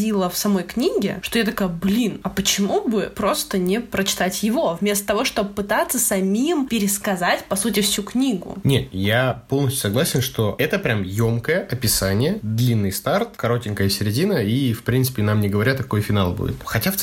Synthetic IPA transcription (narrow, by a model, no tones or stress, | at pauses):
ilˠəfsɐmo̞jknʲiɡʲɪ̰ʂt̪o̞jat̪ɐkajʊblʲinɐpət͡ɕɪmubɨpɾo̞st̪ənʲɪpɾət͡ɕɪ̥t̪atʲjɪvo̞vmʲe̞st̪ə̥t̪ɐvo̞ʂt̪obpɨt̪at̪səsɐmʲimpʲɪɾʲɪskɐzatʲpɐsutʲɪfsʲuknʲiɡʊ̰nʲet̪japo̞lˠnəsʲtʲʊ̥sɐɡlˠasʲɪnʂt̪o̞ɛt̪əpɾʲamjomkəjəʔɐpʲɪsanʲɪjəd̪lʲinːɨjst̪art̪̚kɐɾo̞tʲɪnʲkəjəsʲɪɾʲɪdʲinəifpɾʲint̪sɨ̥pʲɪnamnʲɪɡəvɐɾʲat̪ːɐko̞jfʲɪnalˠbṵdʲɪ̰t̪xɐtʲaf